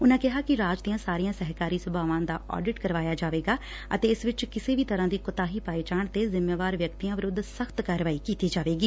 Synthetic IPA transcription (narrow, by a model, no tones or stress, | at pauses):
ʊnãːkɪɦaːkɪɾaːd͡ʒd̪ijãːsaːɾijãːsɛɦkaːɾiːsʊbʱaːʋãːnd̪a̰ːʔɔ̰ːɖɪʈkəɾʋaːjaːd͡ʒaːʋeːɡaː | ə̰t̪eːɪsʋɪt͡ʃkɪseːʋiːt̪əɾãːd̪iːkʊt̪aːɦiːpaːɪt͡ʃaːɳt̪eːzɪmːjaːʋaːɾʋjəkt̪ijãːʋɪɾʊd̪ːsəxt̪kaːɾʋaːiːkiːt̪iːd͡ʒaːʋeːɡiː